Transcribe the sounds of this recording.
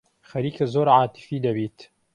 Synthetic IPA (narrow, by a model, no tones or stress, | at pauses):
xɐɾiːkazoːɾʕaːt̪ɪ̥fiːd̪ɐbiːt̪